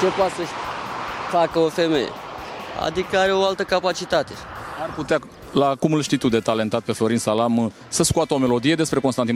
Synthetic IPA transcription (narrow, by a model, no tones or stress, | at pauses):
t͡ʃe̞poat̪sə | fakəofemḛjḛa̰d̪ikəaɾe̞oalt̪əkapat͡ʃit̪at̪e̞arput̪ea | lakumɨlʃt̪it̪ud̪e̞t̪ale̞nt̪at̪̚pe̞flo̞ɾinsalam | səskuat̪əome̞lo̞d̪ije̞d̪e̞spɾe̞ko̞nst̪anin